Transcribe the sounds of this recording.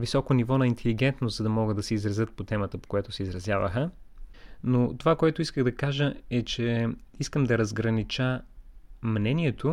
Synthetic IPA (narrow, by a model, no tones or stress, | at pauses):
visɔkonivɔnɐint̪ʰɛliɡɛnt̪nost̪zɐd̪ɐmɔɡəd̪ɐsɛizɾɐzɤt̪̚pot̪ɛmət̪əpo̥kojat̪ʊsɛizɾɐzjavə̰xə | not̪ovakoɛt̪ʊiskəɣd̪ɐkaʒəɛt͡ʃɛiskəmd̪ɐɾɐzɡɾɐnit͡ʃə | mnɛniɛt̪ʰo